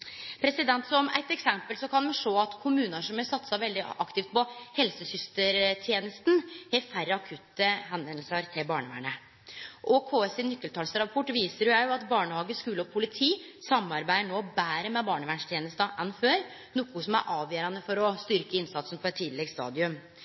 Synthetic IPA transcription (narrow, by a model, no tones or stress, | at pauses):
pʰɾɛsɪd̪ɛnt̪sɔmæ̰t̪ɛksɛmpəlsɔkʰɑnʋɪʂoːɑt̪kʰʊmʉːnəʂɔmjɛsɑt̪sɑʋɛld̪ɪʔɑkt̪ɪft̪̚pɔhɛlsəsʏst̪əɾt̪ʰjeːnəst̪nhɛfæɾːəɑkʰʉt̪ːəɦɛnʋɛnl̩səɾt̪ʰɪlbɑːɳəʋæ̰ːɳə | ʔɔkʰoːɛsɪnʏkːəlt̪ʰɑːlsɾɑpʰɔʈːʋiːsəɾjʊjæɪjʊɑt̪bɑːɳəhɑːɡəskʉːləɔpʰʊlɪt̪ʰiː | sɑmɑɾbæɪəɳoːbæːɾəmɛbɑːɳəʋæːɳʂt̪ʰjeːnəst̪ɑʔɛnføːɾ | nʊkːʊsɔmæ̰ɾʔɑːʋjøːɾɑnəfɔɾɔst̪ʏɾkəɪnsɑt̪sən̩pʰɔɛt̪ʰːiːd̪lɛɡst̪ɑ̰ːd̪ɪʉm